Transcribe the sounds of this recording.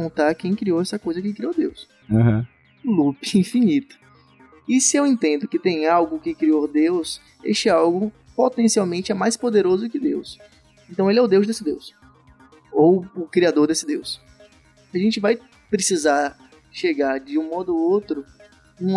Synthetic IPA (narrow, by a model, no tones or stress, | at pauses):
õt̪aɾkẽj̃kɾioɛsɐkojzɐkẽj̃kɾiod̪ews | aɦɐ̰̃ | lupɪĩfinit̪ɐ̥ | ɪsɪewẽnt̪ẽnd̪ʊkɪt̪ẽj̃awɡʊkɪkɾiod̪ews | ḛʃt͡ʃɪawɡʊ | pot̪ẽsiawmẽnt͡ʃɪɛmajspod̪eɾozʊkɪd̪ews | ẽnt̪ɐ̃w̃elɪɛʊd̪ewzd̪esɪd̪ews | owʊkɾiad̪oɾd̪esɪd̪ews | ɐʒẽnt͡ʃɪvaj | pɾesizaɾ | ʃeɡaɾd͡ʒɪũmɔd̪ʊowt̪ɾʊ | ũ